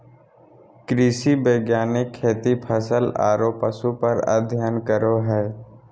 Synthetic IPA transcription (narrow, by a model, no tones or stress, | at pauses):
kɾiːsibeːɡjaːnɪkʰːeːt̪ipʰəsəla̰ːɾoːpəsupəɾə̰d̪ʱjaːnkəɾoɦɛː